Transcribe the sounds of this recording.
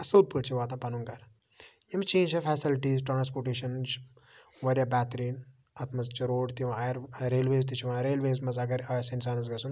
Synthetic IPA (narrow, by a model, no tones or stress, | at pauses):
ɐsɐlpɨɽt͡ʃʰiʋaːt̪ɐ̃pɐnuŋɡɐɾ | jɐmt͡ʃẽːnd͡ʒɐfɛːsilʈiːzʈɾaːnspoːɾʈeːʃɐnz | ʋɐɾʲjaːbʲaːt̪ɾiːn | ɐt̪ʰmɐzt͡ʃiɾoːɖt̪iʋaːjɐɾɾeːlʋeːzt̪it͡ʃʰiʋaɾeːlʋeːzmɐzɐɡɐɾɐsɐnsaːnɐzɡɐsun